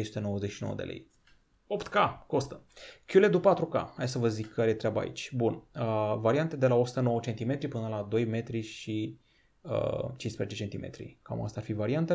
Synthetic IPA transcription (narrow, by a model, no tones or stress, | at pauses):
ejsut̪e̞no̞wəzeʃino̞̰wə̰d̪elʔḛj | opt̪kako̞st̪əkʲjuled̪upat̪ɾuka̰hajsəvəzikʰːaɾejet̪ɾʲaba̰ḭt͡ʃʲbunəvaɾiant̪ed̪e̞lao̞su̥t̪əno̞wət͡ʃent̪ime̞t̪ɾipɨnəlad̪o̞jme̞t̪ɾiʃi | ə̰t͡ʃinspɾezet͡ʃe̞t͡ʃe̞nt̪imḛt̪ɾḭka̰ma̰st̪aːrfivaɾiant̪ə